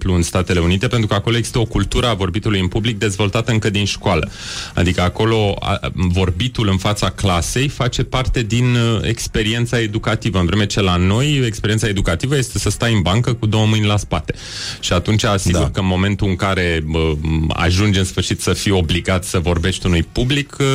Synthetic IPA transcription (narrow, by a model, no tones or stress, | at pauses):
pluɨnst̪at̪e̞le̞unit̪e̞pe̞nt̪ɾukako̞loeɡz̥i̥st̪əo̞kult̪uɾəavo̞rbit̪ulujɨmpublik̚d̪e̞zvo̞lt̪at̪əɨŋkəd̪inʃkoalə̰ | a̰d̪ikəako̞lo̞a̰vo̞rbit̪ulɨnfat̪saklase̞jfat͡ʃe̞part̪e̞d̪inḛkspe̞ɾie̞nt̪sae̞d̪ukat̪ivəɨnvɾe̞me̞t͡ʃe̞lano̞je̞kspeɾiet̪saed̪ukat̪ivəje̞st̪e̞səst̪ajɨnbaŋkəkud̪o̞wəmɨnʲlaspat̪e̞̥ | ʃiat̪unt͡ʃasiɡurkəmo̞me̞nt̪uɨŋkaɾe̞əa̰ʒund͡ʒɨnsfɨrʃit̪səfio̞bliɡat̪səvo̞rbe̞ʃt̪unujpublik